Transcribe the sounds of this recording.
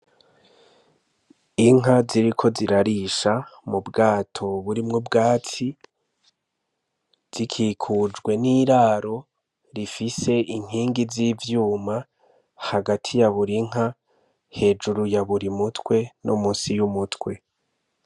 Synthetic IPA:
iŋɦaziɾikʰo̞ziɾaɾiʃamubɡaːtʰo̞βuɾimŋobɡaːt͡si | z̥ikʰiːkʰud͡ʒɡwe̞niːɾaːɾo̞ | ɾifise̞iŋ̥iːŋɡiziːvjuːma | haɡatʰijaβuɾiŋ̥a | he̞d͡ʒuɾujaβuɾimutkwe̞nomunsijumutkwe̞

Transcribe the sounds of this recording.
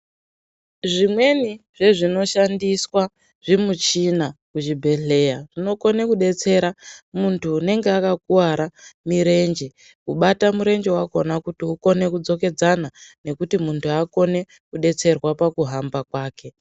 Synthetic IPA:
ʐimwe̞niʐe̞ʐino̞ʃandiswa | ʐ̥imut͡ʃinakuʒibʱe̞ɮe̞jaʐ̥ino̞ko̞ne̞kuɗe̞t͡se̞ɾamuntʰuːne̞ŋɡeakak̚uwaɾamiɾe̞nd͡ʒe | kuɓatamuɾe̞nd͡ʒewako̞nakutiuko̞ne̞kud͡zo̞ke̞d͡zanane̞kutimuntʰuako̞ne̞ | kuɗe̞t͡se̞rwapakuɦambakwaːkʰe̞

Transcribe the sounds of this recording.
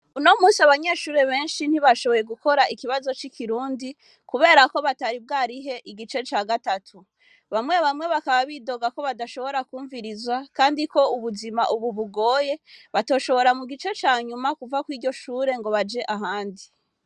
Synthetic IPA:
uno̞muːsiaβaɲe̞ːʃuːɾe̞βe̞ːnʃin̥hiβaʃo̞βo̞je̞ɡuko̞ɾaikiβazo̞t͡ʃikʰiɾuːndi | kuβe̞ːɾako̞βataɾib̚ɡaːɾiɦe̞ʔiɡit͡ʃe̞t͡ʃaːɡatatʰu | βamŋe̞βamŋe̞βakaβaβiːdo̞ɡako̞βadaʃo̞βo̞ɾakuːɱviɾizwakaːndiko̞uβuzimaʔuβuβuɡo̞ːje̞βato̞ːʃo̞βo̞ɾamuɡit͡ʃe̞t͡ʃaːɲumakuvakwiːɟo̞ʃuːɾe̞ŋɡo̞βad͡ʒe̞ʔaɦaːndi

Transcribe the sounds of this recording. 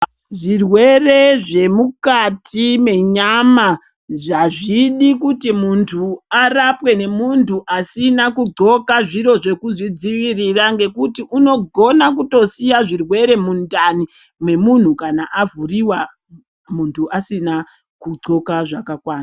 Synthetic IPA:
ʐirwe̞re̞ʐe̞mukatʰime̞ɲama | ʐaʐiɗikutimuntʰuarapwe̞ne̞muntʰuʔasinakuɡ͡ǀo̞kaʐiɾo̞ʐe̞kuʐid͡ziʋiriraŋɡe̞kutiʔuno̞ɡʱo̞nakuto̞sijaʐirwe̞ɾe̞mundani | mwe̞mun̤ukanaʔavuriwa | muntʰuʔasina | kuɡ͡ǀo̞kaʐakakwaːna

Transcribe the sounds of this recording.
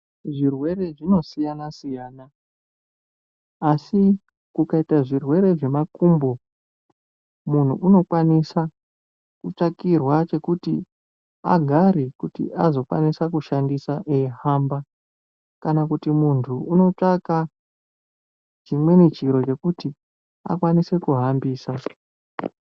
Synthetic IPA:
ʐirwe̞ɾe̞ʐino̞sijanasijaːna | si | kukaitaʐirwe̞ɾe̞ʐe̞makumbo | mun̤uʔːno̞kwanisa | kut͡ʂakirwat͡ʃe̞kutḭ | a̰ɡʱaɾikutḭʔazo̞kwa̰nisakuʃandisaʔehamba | kanakutimuntʰuːno̞t͡ʂaka | d͡ʒimwe̞net͡ʃiɾo̞t͡ʃe̞kuti | a̰kwanise̞kuɦambiːsa

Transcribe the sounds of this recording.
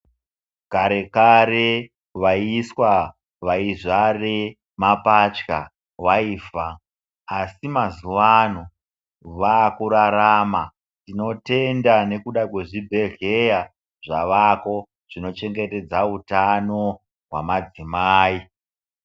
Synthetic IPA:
kaɾe̞kaɾe̞ | ʋaiswa | ʋaiʐare | mapat͡ʃka | waiːfaː | simazuʋano̞ | ʋakuɾaɾaːma | tino̞te̞ndane̞kuɗakwe̞ʐibʱe̞ɮe̞ja | ʐ̥a̰ʋako̞ | ʐ̥ino̞t͡ʃe̞ŋɡe̞te̞d͡zautano̞ | ɦwamad͡zimaːi

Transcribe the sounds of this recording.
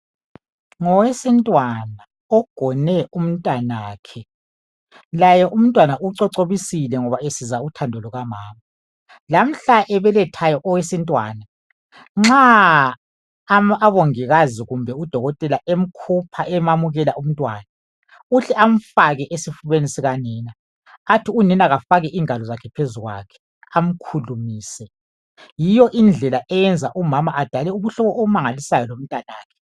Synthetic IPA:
ŋɔwesintʼwana | ɔɡ̥ʱɔnɛum̩ntʼwanaːkʰɛ | lajɛʔum̩ntʼwanaʔuǀɔǀoβisilɛŋɔβaesizautʰandʱɔlɔɣamaːma | lam̩ɬaʔɛβɛlɛtʰajɔʔɔwesintʼwa̰ːna | ŋ͡ǁa | aβoŋiɣaziɣumbʱɛud̥ʱɔɣɔtʼɛlaʔem̩kʰupʰaʔɛmamuɣɛlaʔum̩tʼwaːna | uɬɛam̩faɣɛʔesifuβenisiɣaniːnaː | tʰiuninaɣafaɣɛʔiːŋalɔzakʰɛpʰezuɣwa̰kʰɛ̥ | am̩kʰulumiːsɛ | jijɔʔind͡ɮʱɛlaʔɛjɛnd͡zʱaʔumamaʔad̥ʱalɛuβuɬɔβɔʔoβumaŋalisajɔlom̩tʼanaːkʰɛ̥

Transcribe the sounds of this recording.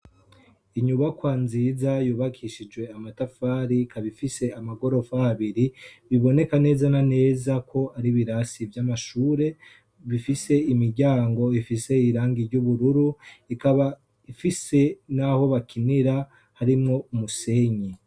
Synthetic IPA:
iɲuβakwaːnzizajuːβakʰiʃid͡ʒɡwe̞amatafaːɾikʰaβifise̞amaɡo̞ɾo̞fahaβiɾiβiβo̞ne̞kane̞ːzanane̞ːzakʰo̞aɾiβiɾasivjamaʃuːɾe̞ | βifise̞imiɾɟaːŋɡo̞ifise̞iɾaːŋɡiɾɟuβuɾuɾuikaβa | ifise̞naho̞βakʰiniɾa | haɾimŋo̞muse̞ɲi

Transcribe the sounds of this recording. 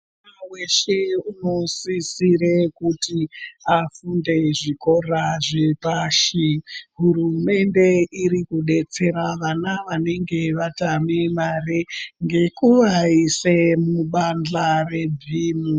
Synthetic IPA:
aweʃe̞uno̞sisire̞kutiafunde̞ʐiko̞raʐepaʃiɦuɾume̞nde̞iɾikuɗe̞t͡se̞ɾaʋanaʋane̞ŋɡe̞ʋatamemareŋɡe̞kuʋaisemuɓand͡ɮare̞dʱiːmu

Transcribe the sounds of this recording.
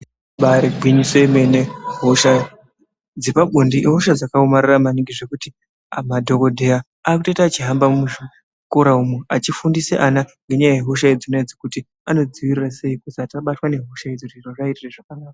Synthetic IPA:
ɓaɾebʱwiɲiseimeneɦoʃa | d͡zipaɓondiɦoʃad͡zakaomariramaniŋɡiʐe̞kuti | madʱo̞ko̞dʱe̞ja | aːk̬utoitat͡ʃiɦambammu | koɾaumwuat͡ʃifundisḛʔanaŋɡʱe̞ɲaaɦeɦo̞ʃ̬aed͡zinoed͡zikuti | ano̞d͡ziwirirase̞ikosataɓatwane̞ɦoʃaed͡zotiraʐairireʐakanaːka

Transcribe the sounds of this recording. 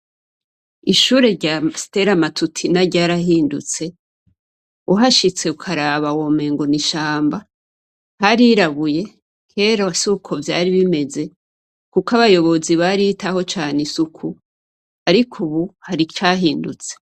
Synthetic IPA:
iʃuːɾe̞ɾɟasi̥te̞ɾamatʰutʰinaɾɟaːɾahiːndṵt͡se̞ | uɦaʃit͡se̞ukʰaɾaβawome̞ːŋɡo̞niʃaːmba | haɾiɾaβuje̞ | kʰe̞ːɾosukʰo̞vja̰ːɾiβime̞ze̞ | kukaβajo̞βo̞ziβaɾitaho̞t͡ʃaːneisukʰu | aɾikʰuβuhaɾit͡ʃaɦiːndut͡se̥

